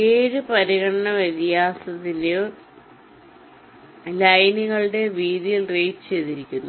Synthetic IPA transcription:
eːɾupɐɾiɣɐɳɐɳɐʋɐt̪jaːsɐt̪ːinɨ | lɐjniɣɐɭɨɽe̞ʋiːðijilrejːt͡ɕe̞jt̪iɾikʲːunːu

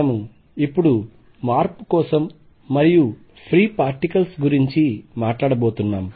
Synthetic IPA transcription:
ɐmu | ipːuɽu | maːɾpukɔːsɐmː | ɐɾiju | pʰɾiːpaːɾʈikɐlsɡuɾiɲt͡ʃimaːʈlaːɽɐboːt̪unːaːm

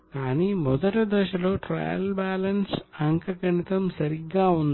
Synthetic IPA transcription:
kaːniːmɔd̪ɐʈɐd̪ɛːʃɐlo̞ːʈɾɐ̰ːjɐ̰lbaːlɐnsɐŋkɐɡɐnit̪ɐmsɐɾiɡːaːund̪

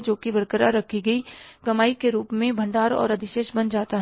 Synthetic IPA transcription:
d͡ʒoːkibɐɾkəɾaɾɐkʰiɡɐikɐmaːikeɾuːpmẽbʱɐ̃ɳɖaːɾɔ̰ːɾɐd̪ɪʃeːʃbɐnd͡ʒaːt̪aɦ

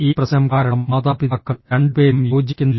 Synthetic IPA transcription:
iːprɐsɐɐmkaːɾɐɳɐmmɐðaːpiðɐkːɐɭɾeɳɖɨpeːɾumjo̞ːd͡ʑikʲːunːl

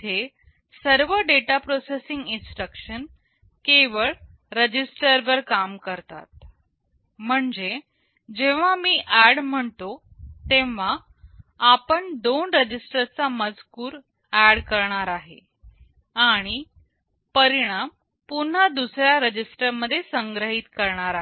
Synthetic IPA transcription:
t̪ʰe | səɾʋəɖeʈapɾosesiŋɡinsʈɾəkɕən | keʋəɭ | ɾəd͡ʑisʈəɾʋəɾkamkəɾt̪a̰t̪̚ | m̤əɳd͡ze | d͡ʑẽʋ̤amiːʔæɽm̤əɳt̪o | t̪ẽʋ̤a | apəɳd̪onɾəd͡ʑisʈəɾt͡saməd͡zkuːɾ | æɽkəɾɳaɾaɦḛ | aɽ̃i | pəɾiɽ̃am | pun̤ad̪usɾjaɾəd͡ʑisʈəɾməd̪ʱːjesəŋɡɾəɦit̪kəɾɳaɾaɦ

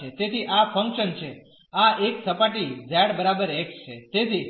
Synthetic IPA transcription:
et̪et̪iʔafʰəŋkʃənt͡ʃʰe | aeksəpaʈid͡ʒɛɽbəɾabəɾekt͡ʃʰet̪et̪ʰi

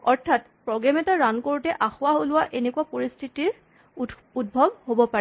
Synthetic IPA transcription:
ɔɹtʰat | pɹɔɡɛmɛtaɹankoɹutɛʔaxʊaɦolʊwaʔenekwapoɹistʰitiɹ | ud̚bʱɔbhobɔpaɹɛ

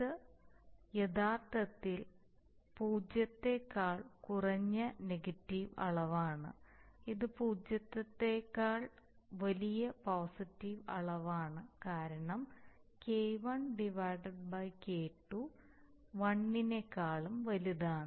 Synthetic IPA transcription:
ɨ | jed̪aːrt̪ːɐt̪ːil | puːd͡ʑjɐt̪ːe̞kːaːɭkurɐɲːɐneɡɐtːiʋɐ̰ɭɐʋaːɳɨ̰iðɨpuːd͡ʑjɐt̪ːɐt̪ːekːaːɭ | ʋɐlijɐpoːsitːiʋɐ̰ɭɐʋaːɳɨkaːɾɐɳɐmkejʋɐɳɖiʋaːɖɐɖ̚bɐjkeːʈːu | ʋɐɳːinekːaːɭumʋɐliðaːɳɨ

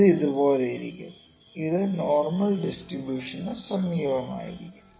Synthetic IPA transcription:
ɨiðuboːlejiɾḭkʲːum | iðɨnoːrmɐlɖisʈribjuːʂɐnːɨsɐmiːʋɐma̰ːjḭɾikʲːum

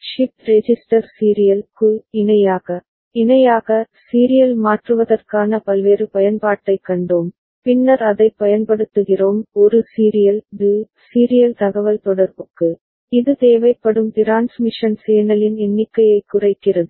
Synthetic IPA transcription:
ʂɪptɾɛd͡ʒɪsʈɐɾsiːɾɪjɐlkʊlɪnɐjaːɣɐ | ɪnɐjaːɣɐ | siːɾɪjɐlmaːʈrɯʋɐðɐrkaːnɐpɐlʋeːrɯpɐjɐnpaːʈːɐɪkːɐɳɖoːm | pɪnːɐɾɐðɐɪpːɐjɐnpɐɽɯt̪ːɯɣɪroːmɔɾɯsiːɾɪjɐldɯ | siːɾɪjɐlt̪ɐɣɐʋɐlt̪ɔɽɐɾbɔkːɯ | ɪðɯt̪eːʋɐɪpːɐɽɯmt̪ɪɾaːnsmɪʂɐnseːnɐlɪnɛnːɪkːɐjɐɪkːʊrɐɪkːɪrɐðɯ

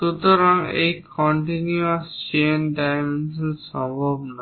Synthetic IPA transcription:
ut̪ɔɾaŋḛjkʰɔɳʈinuɔst͡ʃenɖajmenssɔ̃mbʱɔbna

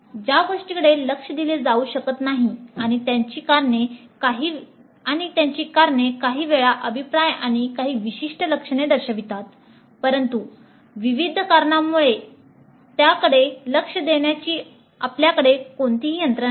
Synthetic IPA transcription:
d͡ʑaɡoʂʈikəɽellːəkʂəd̪iled͡zauːɕəkət̪naɦiaɽ̃it̪jaɲt͡ɕiːkaɾɳekaɦiː | aɽ̃it̪jaɲt͡ɕiːkaɾɳekaɦiːʋeɭaʔəbʱipɾajaɽ̃ikaɦiːʋiɕiʂʈələkʂəɳ̃ed̪əɾɕəʋit̪at̪ | pəɾənt̪u | ʋiʋid̪ʱkaɾɳamːuɭe | t̪jakəɽeləkʂəd̪eɳjat͡ɕiː | apljakəɽekoɳt̪iɦiːənt̪ɾə

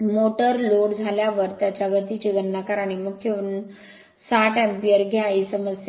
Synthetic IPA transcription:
moʈəɾloɽd͡zʱaljaʋəɾt̪jat͡ɕaɡət̪it͡ɕiɡənːakaɾaɽ̃iməɡkʰeun | saʈæmpiəɾɡʱɛaisəməsja

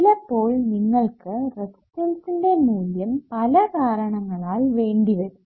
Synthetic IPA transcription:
ilɐpːo̞ːɭniŋːɐɭkɨrekt̪elsilɖe̞muːljɐmpɐlɐkaːɾɐɳɐŋːɐɭaːlʋe̞ːɳɖiʋɐðu

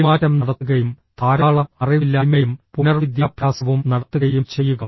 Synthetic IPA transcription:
maːɾɐmnɐɽɐt̪ːuɣɐjum | t̪ʰaːɾɐːɭɐɐriʋilːamɐjumpunɐrʋid̪jaːbʱjaːsɐʋumnɐɽɐt̪ːuɣɐjumt͡ɕe̞jːuɣɐ

